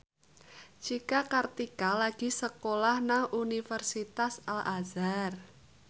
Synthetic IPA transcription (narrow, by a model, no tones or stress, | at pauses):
t͡ʃikakart̪ikalaɡ̥i̤səkolahnaŋunifərsit̪asalʔazar